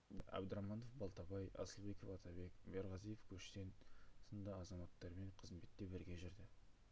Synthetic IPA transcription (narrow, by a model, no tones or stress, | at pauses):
æ̰bd̪əɾɑmɑno̞fbɑlˠt̪ɑbɑjɑ̰səlˠbe̞kofɑt̪ʰɑbe̞kbeɾʁɑzijefkʲʰɵʃt̪e̞nsənd̪əɑzɑmɑt̪ːɑɾme̞ɴqʰəzmbe̞t̪ːe̞bɪɾɡʲe̞ʒɪɾd̪ɪ